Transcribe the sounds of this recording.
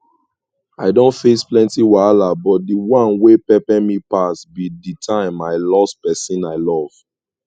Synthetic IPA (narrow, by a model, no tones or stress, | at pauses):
aɪdõntfesplɛ̃ntiwalabɔt̚diwãnwepɛpɛmipasbiditʰãɪ̃maɪlɔspɛsĩnaɪlɔv̥